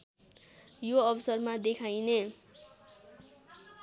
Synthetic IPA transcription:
joʌbʌsʌrmad̪ekʰajne

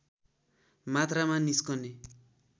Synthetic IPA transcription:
mat̪ramaniskʌne

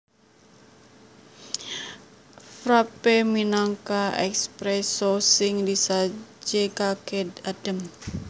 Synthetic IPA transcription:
fɾapeminaŋkaɛ̰kspɾɛsosɪŋdisad͡ʒekakɛdad̥əm

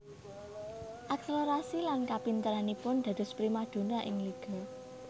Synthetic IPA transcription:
ʔɛksloɾasilankapint̪əɾanipʊnd̪̥a̤d̪̥ʊ̤spɾimad̪̥o̤naʔɪŋliɡ̥ɔ̤

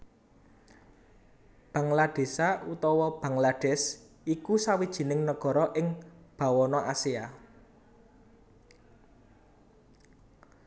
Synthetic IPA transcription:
b̥ä̤ŋlaɖ̥e̤saut̪ɔwɔb̥ä̤ŋlaɖ̥ɛs | ikusawid̥ʒ̥i̤nɪŋnəɡ̥ɔ̤ɾɔʔɪŋb̥ä̤wɔnɔʔasia

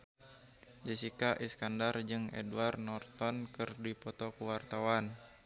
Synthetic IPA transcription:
d͡ʒɛsikaʔiskandard͡ʒɨŋɛ̰duarnɔrt̪ɔnkɨrdipɔt̪ɔkuwart̪awan

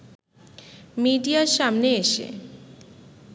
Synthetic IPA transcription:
miɖiaɾʃamneeʃḛ

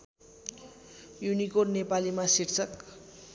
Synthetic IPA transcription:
junikornepalimasiɾt͡sʌk

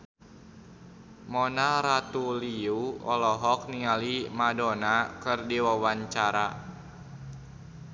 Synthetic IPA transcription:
mɔnaɾat̪uliuɔ̰lɔɦɔk̚niŋalimadɔnakɨrdiwawaɲt͡ʃaɾa

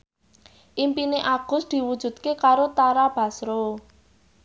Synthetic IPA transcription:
ʔimpineʔaɡ̥ʊ̤sd̪̥i̤wud̥ʒ̥ṳd̪̚kekaɾot̪aɾab̥a̤sɾo

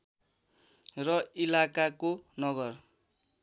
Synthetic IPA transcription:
rʌilakakonʌɡʌr

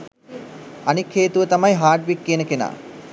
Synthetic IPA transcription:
anikʰːeːt̪uʋət̪amajɦaːʈʋikːeːnəkena̰ː

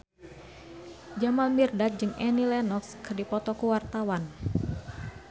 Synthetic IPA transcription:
d͡ʒamalmirdat̪̚d͡ʒɨŋɛnilɛnɔskɨrdipɔt̪ɔkuwart̪awan

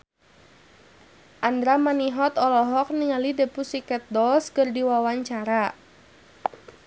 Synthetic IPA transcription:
ʔandɾamaniɦɔt̪ɔlɔɦɔk̚niŋalidəpusikɛt̪̚dɔlskərdiwawaɲt͡ʃaɾa

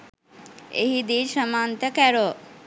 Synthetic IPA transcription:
ḛɦid̪iːʃəmaːnt̪əkæɾo

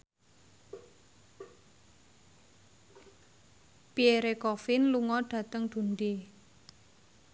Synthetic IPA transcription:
pieɾekɔfɪnluŋɔɖ̥ä̤t̪əŋɖ̪̥ṳnɖ̪e

